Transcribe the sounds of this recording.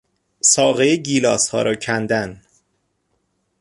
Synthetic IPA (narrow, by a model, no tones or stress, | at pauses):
sɒːɣejeɟiːlɒːshɒ̰ːɾɒːcʰænd̪æn